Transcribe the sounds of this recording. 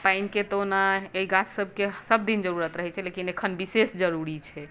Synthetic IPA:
painket̪onaeiɡat͡ʃsəb̚ʱkesəb̚d̪ind͡ʒəɾuɾət̪ɾəɦɛt͡ʃʰɛlekinekʰənbisesd͡ʒəɾuɾit͡ʃʰɛ

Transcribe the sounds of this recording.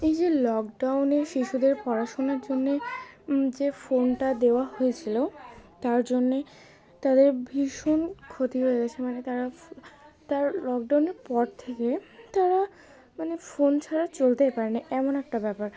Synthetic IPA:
ejd͡ʑelɔkɖawneʃiʃud̪eɾpɔɾaʃonaɾd͡ʑonːe | d͡ʑefonʈad̪eoaɦojet͡ɕʰilot̪aɾd͡ʑonːe | t̪ad̪eɾbʱiʃonkʰot̪iɦoeɡat͡ɕʰemanet̪aɾa | t̪aɾlɔk̚ɖawneɾpɔɾt̪ʰeket̪aɾa | manefont͡ɕʰaɾat͡ɕolt̪epaɾeniʔɛmonɛk̚ʈabɛpaɾ

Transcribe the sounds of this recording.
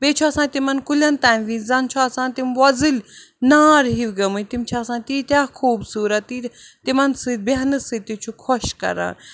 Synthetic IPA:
beːt͡ʃʰuɐsãːt̪imɐnkulʲɐnt̪aːnʋizɐnt͡ʃʰuɐsãːt̪imʋɐzil | naːɾɦiwɡɐmut̪imt͡ʃʰɐsãːt̪iːt̪aːkʰuːbsuːɾɐt̪ːit̪imɐnsɨd̪̚beɦnɨsɨt̪it͡ʃʰukʰɔʃkɐ̰ɾa̰ːn

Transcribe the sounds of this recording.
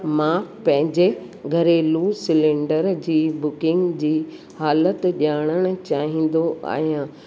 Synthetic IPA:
mãːpɐ̃ɦɪ̃ɲd͡ʑe | ɡʱɐɾeluːsɪlẽːɳɖəɾd͡ʑiːbʊkɪ̃ŋɡd͡ʑiː | haːlət̪ʄaːɽ̃əɽ̃ʊ̆t͡ɕaːɦĩːn̆d̪oʔa̰ːɦijãː

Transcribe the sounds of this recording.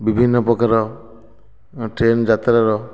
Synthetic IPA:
bibʱinːɔpɔkaɾɔ | ʈɾend͡ʒat̪ɾaɾɔ

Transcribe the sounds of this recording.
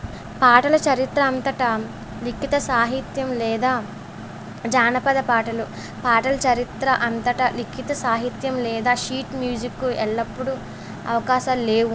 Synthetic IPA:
paːʈɐlɐt͡ʃɐɾit̪ɾɐːnt̪ɐʈɐ | likʰːit̪ɐsaːɦit̪jɐmlɛːd̪aː | d͡ʒaːnɐpɐd̪ɐpaːʈɐlu | paːʈɐlɐt͡ʃɐɾit̪ɾɐʔɐnt̪ɐʈɐlikʰit̪ɐsaːɦit̪jɐmlɛːd̪aːʃiːʈmjuːd͡ʒikːuɛɭːɐpːuɽu | ɐ̰ʋɐkaːʃaːlleːu

